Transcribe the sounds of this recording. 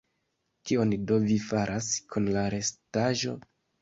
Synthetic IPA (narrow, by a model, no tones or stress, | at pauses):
kio̞ndo̞vifaɾʔaskʰunlaɾe̞staʒo̞̰